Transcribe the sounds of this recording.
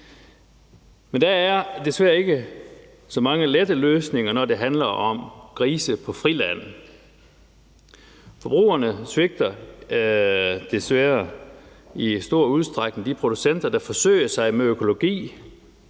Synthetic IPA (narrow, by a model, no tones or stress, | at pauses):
mend̥ææɐd̥e̝sʋæɐe̝ɡ̥ə | sɒ̽mɑ̈ŋəled̥əløːsne̝ŋɐnɒd̥e̝ɦænlɐɒ̽mɡ̥ʰʁiːsəpʰɒ̽fʁilæn̰ | fɒ̽b̥ʁṵːɐnəsʋe̝ɡ̥̚d̥ɐ | d̥e̝sʋæːɐ | isd̥o̝ɐ̰uð̞ˠsd̥ʁaɡ̥nəd̥ipʰʁo̝d̥usen̰d̥ɐd̥ɑ̈fɒ̽sø̰ɪ̰ɐsɑ̈ɪmeøkʰo̝lo̝ɡ̥ḭː